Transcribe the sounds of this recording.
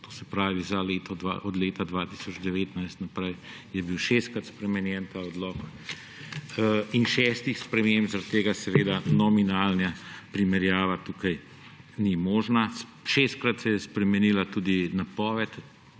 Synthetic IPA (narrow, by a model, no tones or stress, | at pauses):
t̪oːsɛpɾaːʋizaleːt̪ɔd̪a̰ʔɔd̪leːt̪ad̪ʋaːt̪i̥sɔd͡ʒd̪ɛʋeːt̪najst̪napɾɛj | jɛbiwʃeːst̪̚kɾat̪spɾɛmɛnjɛnt̪aːɔd̪lɔːk | inʃɛst̪ixspɾɛmembzaɾat̪ːeːɡasɛʋeːd̪anɔminaːlnjapɾimɛɾjaːʋat̪uːkaj | nimɔːʒnaʃest̪̚kɾat̪sɛjɛspɾɛmɛniːlat̪uːd̪inapɔːʋɛt̪